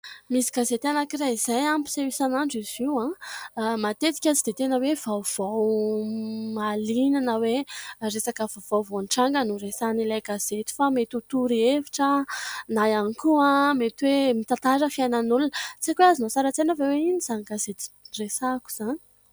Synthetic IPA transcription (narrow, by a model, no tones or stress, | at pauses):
misiɡazet̪anakiraizajampu̥sewisanaɳɖ͡ʐiziwã | mat̪et̪i̥kʲat͡sid̪̥et̪enəwevawv̥aw | malinanəweɾesakəvov̥awvonʈ͡ʂaŋɡənuresanilajɡaz̥et̪i̥famet̪ut̪uɾieviʈ͡ʂənajanikuãmet̪wemit̪at̪aɾəfiajnanulunət͡sekweazinosaɾət͡senəveweinizaniɡazet̪i̥resaku̥z̥ani̥